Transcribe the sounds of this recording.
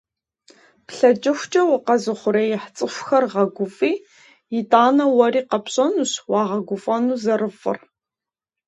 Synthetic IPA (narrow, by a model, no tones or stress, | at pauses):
pɬɐd͡ʒʼɪxʷt͡ʃʼɐwʊqɐzɨχʷʊɾɐjɪħt͡sʼɨɕʷxɐrʁɐɡʷʊfʼiː | jɪtʼaːnɐwɐriːqɐpɕʼɐnuːɕwɑːʁɐɡʷʊfʼɐnuːzɐrɨfɨ̰r